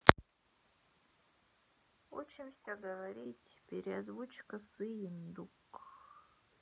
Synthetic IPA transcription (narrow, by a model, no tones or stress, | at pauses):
ut͡ʃʰɪmsʲoɡɐvɐɾʲitʲpʲeɾʲeazvut͡ʃkɐsɨjɪnd̪uk